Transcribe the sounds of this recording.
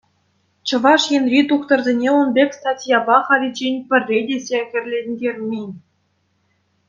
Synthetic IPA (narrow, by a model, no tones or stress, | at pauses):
t͡ɕɤ̆ʋɑʂjenʲrʲit̪uχt̪ɤ̆rzʲenʲeunbʲekʲst̪ɑtʲjɑbɑχɑɾʲid͡ʑenʲpʲɘ̆rʲːedʲesʲexʲɘ̆rʲlʲenʲdʲerʲmʲinʲ